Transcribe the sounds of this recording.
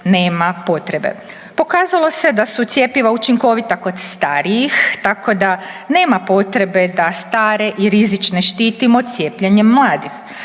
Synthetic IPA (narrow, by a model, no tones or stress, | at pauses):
ne̞ːmapo̞t̪ɾe̞be̞̰ | po̞kaːzalˠo̞se̞d̪asut̪sje̞piʋaut͡ʃiŋko̞ʋit̪ako̞d̪st̪aːɾijixt̪ako̞d̪ane̞ːmapo̞t̪ɾe̞be̞d̪ast̪aːɾe̞ʔiɾizit͡ʃne̞ʃt̪iːt̪imo̞t̪sje̞ːpʎeɲemːlˠaːd̪ix